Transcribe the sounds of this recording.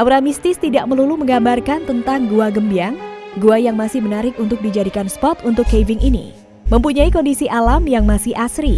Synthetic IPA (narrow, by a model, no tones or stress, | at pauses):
ʔawɾamist̪ɪst̪idaʔ̚məluluməŋɡambarkant̪ənt̪aŋɡuaɡəmbiaŋɡuajaŋmasɪhmənaɾɪkunt̪ʊk̚did͡ʒadikanspɔt̪unt̪ʊkːevɪŋʔinḭ | məmpuɲaikɔndisiʔalamjaŋmasɪʔasɾi